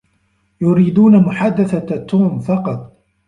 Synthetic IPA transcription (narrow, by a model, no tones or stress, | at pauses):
jʊɾiːd̪uːnamʊħaːd̪aθat̪ːuːmfɑqɑt̪ˤ